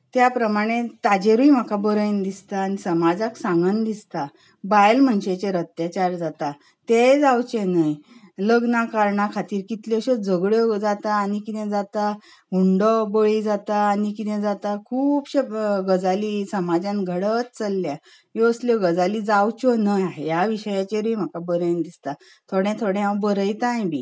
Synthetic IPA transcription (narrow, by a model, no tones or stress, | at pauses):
t̪japɾəmaɽ̃et̪ad͡ʑeɾujm̤əkabəɾəjnd̪ist̪aːnisəmad͡zəksãŋɡənd̪ist̪a | bajlm̤əɳɕet͡ɕeɾət̪jat͡ɕaɾd͡zat̪a | t̪ed͡zawt͡ɕẽnəjləɡnakaɾɳakʰat̪iːɾkit̪ljɔɕed͡zəɡɭjɔd͡zat̪aːñikit̪ɛ̃d͡zat̪a | uɳɖɔbəɭid͡zat̪aːnikit̪ɛ̃d͡zat̪akʰuːpɕeɡəd͡zalisəmad͡zãnɡʱəɽət̪t͡səlːja | jɔəsljɔɡəd͡zalid͡zawt͡ɕɔnəjaɦejaʋiɕəjat͡ɕeɾim̤akabəɾənd̪ist̪a | t̪ʰoɽjɛ̃t̪ʰoɽɛ̃ãwbəɾəjt̪ãj̃bi